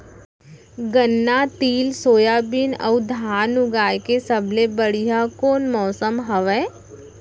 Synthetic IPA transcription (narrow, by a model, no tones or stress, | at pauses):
ɡənːat̪iːlsoːjabɪnɔ̰ʊd̪ʱaːnʊɡaːjkesɐbʱlebəɽiɦakoːnmɔːsəmɦəʋɛː